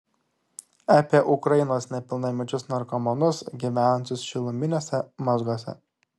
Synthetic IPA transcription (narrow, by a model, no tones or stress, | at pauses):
ɑːpʲiɛʔʊkɾɐjɪnoːsnʲɛpʲɪlˠnɐmʲɪd͡ʒʲʊsnɐɾkɔmɔnʊsɡʲiʋʲænʊnʲt̪ʲʊsʃʲɪlˠʊmʲɪnʲoːsʲɛmɔzɡoːsʲɛ̰